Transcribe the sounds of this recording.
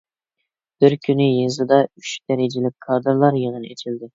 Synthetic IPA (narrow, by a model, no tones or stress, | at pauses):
b̥ɪɾkʲʰynɪjezɨd̪ɑyt͡ʃd̪̥ɛɾɪd͡ʒɪlɪk̚ʲkʰːɑɾd̪ɑɾlˠɑɾjeʁənḛt͡ʃʰild̪ɪ